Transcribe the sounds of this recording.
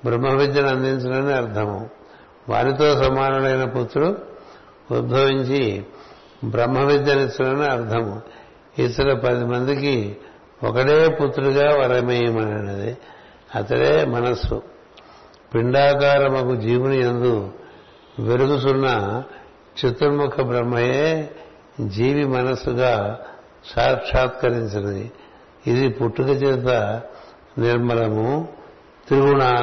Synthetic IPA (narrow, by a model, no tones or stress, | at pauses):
bɾɐmːɐʋid̪jɐnɐnd̪iɲt͡ʃunɐniɐɾt̪ʰɐmṵ | ʋa̰ːɾit̪o̞ːsɐmaːnɐlɐjnɐput̪ɾuu | ut̪bʱɐʋiɲt͡ʃi | bɾɐmːɐʋid̪jɐnit̪unɐniɐɾt̪ʰɐmu | it̪ːɐlɐpɐd̪imɐnd̪iki | ɔkɐɽeːput̪ɾuɡaːʋɐɾɐmɐjimɐnɐnɐd̪ḭ | ɐt̪ɐ̰ɽḛːmɐnɐsṵ | piɳɖaːkaːɾɐmɐkud͡ʒiːʋuniend̪u | ʋeɾuɡusunːɐ | t͡ʃet̪ːuɾmukʰɐbɾɐmːɐjeː | d͡ʒiːʋimɐnɐsːuɡaː | ʃaːʂaːt̪kɐɾiɲt͡ʃɐnɐd̪ḭ | id̪ipuʈːukɐt͡ʃeːt̪ɐ | niɾmɐlɐmu | t̪iɾuɡunaː